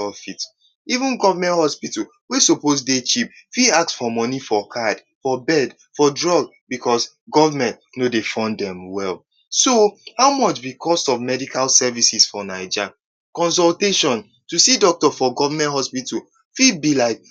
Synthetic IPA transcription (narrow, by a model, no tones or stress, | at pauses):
ɔfit | ivũnɡɔvamɛ̃nthɔspitul | wisoposdet͡ʃip̚fiak̚sfɔmɔnifɔkʰad | fɔbɛd | fɔdɹɔɡ̚ | bikʰɔs | ɡɔvamɛ̃ntnodefãndɛ̃mwɛlˠ | sohaʊmɔt͡ʃbikʰɔstɔvmɛdikʰalsɛvisisfɔnaɪd͡ʒa | kɔ̃ns̬ɔlteʃɔ̃n | tusidɔk̚tɔfɔɡɔvamɛ̃nt̚hɔspitul | fibilaɪk̚